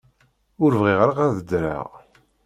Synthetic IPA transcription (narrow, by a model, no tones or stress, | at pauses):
ʊɾvʁiʁɾaʁæðəd̪ɾa̰ʁ